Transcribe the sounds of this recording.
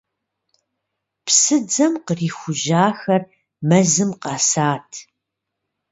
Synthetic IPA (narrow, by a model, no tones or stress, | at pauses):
psɨd͡zɐmqəriːxʷʊʒaːxɐr | mɐzɨmqɑːsaːtʰ